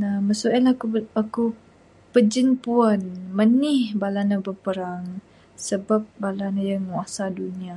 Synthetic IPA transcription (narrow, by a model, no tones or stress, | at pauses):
naməsuʔəlakuaku | pəd͡ʒənpuənmənɪhbalanabəpəɾaŋ | səbap̚balanajaŋuasadunia